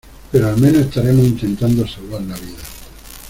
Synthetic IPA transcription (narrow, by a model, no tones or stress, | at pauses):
peɾoalmẽnoest̪aɾemoint̪ent̪and̪osalβaɾnaβiða